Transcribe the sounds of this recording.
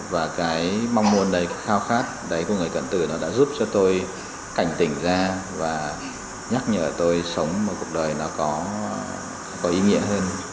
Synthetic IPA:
vaː˨˩kaː˨˦jma˧wŋ͡mmu˧ənɗə˨˩jxaː˧wxaː˦˥k̚ɗə˨˦jku˧˩ŋɨ˨˩əjk̪ə̰˧˨nt̪ɨ˧˩nɔ˨˦ɗa̰ː˧˥zu˦˥p̚t͡ɕɔ˧t̪o˧j | ka˧˩jŋ̟t̪ï˧˩ŋ̟zaː˧vaː˨˩ | ɲa˦˥k̚ɲə̰ː˧˩t̪o˧jsə˨˦wŋ͡mmɔ˨˩ku˨˩ək̚ɗəː˨˩jnɔ˨˦kɔ˨˦ | kɔ˨˦ʔi˨˦ŋḭ˧˥əɦəː˧n

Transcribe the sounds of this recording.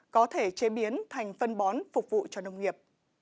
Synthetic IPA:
kɔ˨˦t̪ʰe˧˩t͡ɕe˨˦ɓi˨˦ənt̪ʰa˨˩jŋ̟fə˧nɓɔ˨˦nfʊ˨˩k͡p̚vṵ˧˨t͡ɕɔ˧nə˧wŋ͡mŋi˨˩əp̚

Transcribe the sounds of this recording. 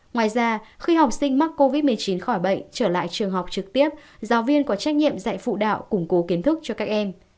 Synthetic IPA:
ŋwaː˨˩jzaː˧xi˧hɦa˨˩wk͡p̚sï˧ŋ̟ma˦˥k̚ko˧vi˦˥t̚mɨ˨˩əjt͡ɕi˨˦nxɔ˧˩jɓə̰˧˨jŋt͡ɕəː˧˩la̰ː˧˨jt͡ɕɨ˨˩əŋɦa˨˩wk͡p̚t͡ɕɨ˨˩k̚t̪i˦˥əp̚zaː˨˦wvi˧ənkɔ˨˦t͡ɕa˦˥k̟̚ɲḭ˧˨əmza̰˧˨jfṵ˧˨ɗa̰ː˧˨wkʊ˧˩ŋ͡mko˨˦ki˨˦ənt̪ʰɨ˦˥k̚t͡ɕɔ˧kaː˦˥k̚ʔɛ˧m

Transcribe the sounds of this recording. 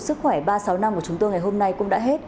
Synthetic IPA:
sɨ˦˥k̚xwɛ˧˩ɓaː˧sa˨˦wna˧mku˧˩ət͡ɕʊ˨˦ŋ͡mt̪o˧jŋa˨˩jɦo˧mna˧jkʊ̰˧˥ŋ͡mɗa̰ː˧˥ɦe˦˥t̚

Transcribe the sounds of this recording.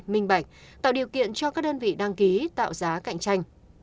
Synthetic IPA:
mï˧ŋ̟ɓa˧˩jk̟̚t̪a̰ː˧˨wɗi˨˩əwkḭ˧˨ənt͡ɕɔ˧kaː˦˥k̚ɗəː˧nvḭ˧˨ɗa˧ŋki˨˦t̪a̰ː˧˨wzaː˨˦ka̰˧˨jŋ̟t͡ɕa˧jŋ̟

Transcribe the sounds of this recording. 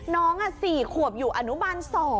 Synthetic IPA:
nɔː˦˥ŋʔa˧˩siː˨˩kʰu˨˩əp̚juː˨˩ʔa˧nu˦˥ma˧nsɔː˨˩

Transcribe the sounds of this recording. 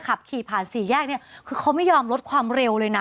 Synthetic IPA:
kʰa˨˩p̚kʰiː˨˩pʰaː˨˩nsiː˨˩˦jɛː˥˩k̚ni˥˩ɐkʰɯː˧kʰa˦˥wma˥˩jɔː˧mlo˦˥t̪̚kʰwaː˧mɾe˧wlɤː˧jna˦˥

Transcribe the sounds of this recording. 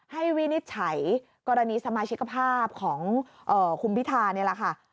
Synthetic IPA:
ha˥˩jwi˦˥ni˦˥t̪̚t͡ɕʰa˩˦j | kɔː˧ɾa˧niː˧sa˧maː˧t͡ɕʰi˦˥ka˧pʰaː˥˩p̚kʰɔː˩˦ŋ | ʔɤː˨˩kʰu˧mpʰi˦˥t̪ʰaː˧nːi˥˩ɐla˨˩kʰa˥˩

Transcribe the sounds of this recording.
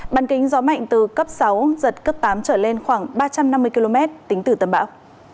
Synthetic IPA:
ɓaː˨˩nkï˨˦ŋ̟zɔ˨˦ma̰˧˨jŋ̟t̪ɨ˨˩kə˦˥p̚sa˨˦wzə˨˩t̚kə˦˥p̚t̪aː˨˦mt͡ɕəː˧˩le˧nxwaː˧˩ŋɓaː˧t͡ɕa˧mna˧mːɨ˧əjki˧lo˧mɛ˦˥t̚t̪ï˨˦ŋ̟t̪ɨ˧˩t̪ə˨˩mɓaː˧˦w

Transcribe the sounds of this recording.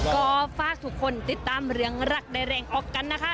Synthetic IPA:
kɔː˥˩faː˥˩k̚t̪ʰu˦˥kʰːo˧˩nt̪i˨˩t̪ːaː˧˥˨mɾɯ˧əŋɾa˦˩k̚daː˧˩jɾɛː˧ŋʔɔː˨˩kːa˧nːa˦˥kʰa˦˥ʔ

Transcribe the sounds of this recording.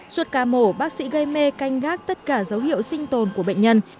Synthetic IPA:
swə˦˥t̚kaː˨˩mo˧˩ɓaː˦˥k̚sḭ˧˥ɣə˧jme˧ka˧jŋ̟ɣaː˦˥k̚t̪ə˦˥t̚kaː˧˩zə˨˦whḭ˧˨əwsï˧ŋ̟t̪o˨˩nku˧˩əɓə̰˧˨ŋ̟ɲə˧n

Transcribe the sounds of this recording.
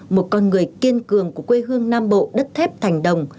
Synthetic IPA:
mo˨˩t̚kɔ˧nŋɨ˨˩əjki˧ənkɨ˨˩əŋku˧˩əkwe˧ɦɨ˧əŋnaː˧mɓo̰˧˨ɗə˦˥t̚t̪ʰɛ˦˥p̚t̪ʰa˨˩jŋ̟ɗə˨˩wŋ͡m

